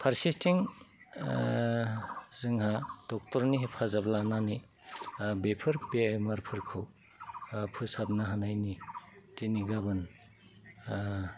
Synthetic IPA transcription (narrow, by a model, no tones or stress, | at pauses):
pʰaɾsistʰiŋ | zɯŋhad̥ɔk̚tɔɾniɦepʰazablanani | bepʰɯɾbemɐɾpʰɯɾkʰɯw | pʰɯsap̚naɦanajnitiniɡabɯn